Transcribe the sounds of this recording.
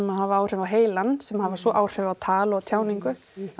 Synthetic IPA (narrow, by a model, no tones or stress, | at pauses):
maðɦavaaːwr̥ʏvawɦeːjlansɛmhavasɔʔaːwr̥ʏvawt̪ʰaːlɔt̪ʰjaːwniŋkʏ